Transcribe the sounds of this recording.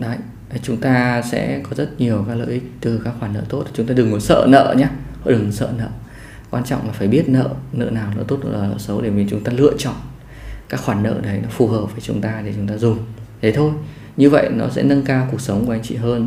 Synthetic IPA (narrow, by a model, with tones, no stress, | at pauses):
ɗa˨˦j | t͡ɕʊ˨˦ŋ͡mt̪aː˧sɛ̰˧˥kɔ˨˦zə˦˥t̚ɲi˨˩əwkaː˦˥k̚lə̰ː˧˨ʔï˦˥k̟̚t̪ɨ˨˩kaː˦˥kxwaː˧˩nːə̰ː˧˨t̪o˦˥t̚t͡ɕʊ˨˦ŋ͡mt̪aː˧ɗɨ˨˩ŋːo˨˦jsə̰ː˧˨nə̰ː˧˨ɲaː˨˦˧ɗɨ˨˩ŋsə̰ː˧˨nə̰ː˧˨ | kwaː˧nt͡ɕɔ̰˧˨wŋ͡mlaː˨˩faː˧˩jɓi˦˥ət̚nə̰ː˧˨nə̰ː˧˨naː˨˩wnə̰ː˧˨t̪o˦˥t̚hə˧˩laː˨˩lə̰ː˧˨sə˨˦wɗe˧˩mi˨˩t͡ɕʊ˨˦ŋ͡mt̪aː˧lɨ̰˧˨ət͡ɕɔ̰˧˨n | kaː˦˥k̚xwaː˧˩nːə̰ː˧˨ɗə˨˦jnɔ˨˦fu˨˩ɦəː˨˩p̚vəː˧˩˦t͡ɕʊ˨˦ŋ͡mt̪aː˧ɗe˧˩t͡ɕʊ˨˦ŋ͡mt̪aː˧zʊ˨˩ŋ͡mzʰə˨˦jt̪ʰo˧j | ɲɨ˧və̰˧˨jnɔ˨˦sɛ̰˧˥nə˧nkaː˧wku˨˩ək̚sə˨˦wŋ͡mkːa˨˦ŋ̟t͡ɕḭ˧˨ɦəː˧n